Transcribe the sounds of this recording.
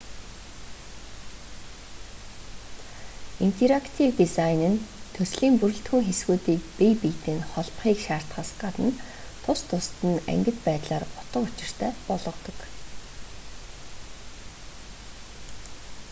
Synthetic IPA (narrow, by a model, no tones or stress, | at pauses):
in̥t̪ʰeɾakt̪ʰiwt̪isajnɘ̆nt̪ʰɵsɮiːmpuɾɵ̆ɬt̪xŭŋxesɡuːt̪iːk̚pijpijt̪ɘ̆ːnχɔɮpχiːkʃaːr̥t̪χaːsɢat̪ə̆n | t̪ʰʊst̪ʰʊst̪ɘ̆næ̰ŋɡʲɘ̆t̪pæːt̪ɮaːrʊt̪ə̆kʊt͡ɕɪ̆r̥t̪ʰæːpɔɮʁɞ̆qt̪ɞ̆k